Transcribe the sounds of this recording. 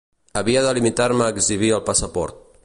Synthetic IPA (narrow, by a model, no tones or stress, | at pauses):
əβiəðəlimit̪aɾməːɡziβ̞iəlˠpəsəpɔ̰ɾt̪̚